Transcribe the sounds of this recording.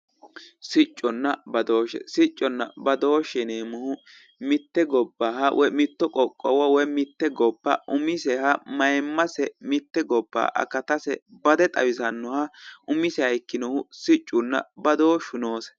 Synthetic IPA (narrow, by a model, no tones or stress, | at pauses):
sɪt͡ʃʼːɔnːɐbɐd̪o̞ːʃɛ̰sɪt͡ʃʼːɔnːɐ̰bɐd̪o̞ːʃɛneːmʊhʊ | mɪt̪ːɛɡɔbːaɦɐwʔɔmɪt̪ːɔkʼɔkʼːɔwɐwɛmɪt̪ːɛɡɔbːɐ̰ʔʊmɪsɛhɐmɐjmːɐsɛmɪt̪ːɛɡɔbːa̰ːʔɐ̰kɐt̪ɐsɛbɐd̪ɛt̪ʼɐwɪsɐnːɔhɐʔʊmɪsɛhɐjkːɪnɔhʊsɪt͡ʃʼːʊnːɐ̰bɐd̪oːʃʊno̞ːs